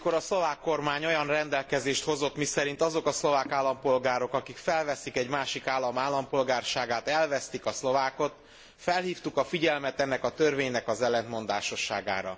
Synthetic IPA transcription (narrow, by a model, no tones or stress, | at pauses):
koɾɒslo̞vaːkːo̞rmaːɲo̞jɒnrɛnd̪ɛlkɛzeːʃt̪ho̞zo̞t̪misɛɾint̪ɒzo̞kɒslovaːkaːlːɒmpo̞lɡaːɾo̞kɒkikfɛlvɛsikɛɟmaːʃikaːlːɒmaːlːɒmpo̞lɡaːrʃaːɡaːt̪ɛlvɛst̪ikɒslo̞vaːko̞t̪ | fɛlhiːft̪ukɒfiɟɛlmɛt̪ɛnːɛkɒt̪ørveːɲnɛkɒzɛlːɛnt̪mo̞nd̪a̰ːʃo̞ʃːa̰ːɡa̰ːɾɒ̰